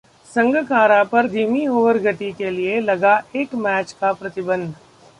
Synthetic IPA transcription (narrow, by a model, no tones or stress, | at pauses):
sɐ̃ŋɡkaːɾapɐɾd̪ʱiːmioːʋəɾɡəʈ̪ikelielɐɡaeːkmɛːt͡ʃkapɾɐt̪ɪbə̃nd̪ʱ